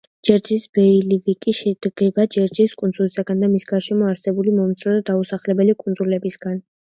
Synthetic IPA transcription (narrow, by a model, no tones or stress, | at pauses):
d͡ʒɛɾd͡ʒisbɛilivikʼiʃɛd̪̥ɡ̥ɛbad͡ʒɛɾd͡ʒiskʼund̪zulisaɡand̪amisɡaɾʃɛmɔaɾsɛbulimɔmt̪sʼɾɔd̪ad̪ausaχlɛbɛlikʼunzulɛbisɡan